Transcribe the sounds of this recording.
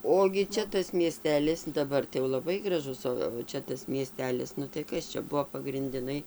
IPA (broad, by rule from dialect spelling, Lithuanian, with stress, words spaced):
ˈoːɡʲɪ ˈt͡ʃʲɛ tɐs mʲiɛˈsʲtʲæːlʲɪs dɐˈbɐr tɐɪ jɛʊ lˠɐˈbɐɪ ɡrɐˈʒʊs ˌoː ʋɐ ˈt͡ʃʲɛ tɐs mʲiɛˈsʲtʲæːlʲɪs ˈnʊ tɐɪ ˈkɐs t͡ʃʲɛ ˈbʊʋoː pɐɡrʲɪnʲdʲɪˈnɐɪ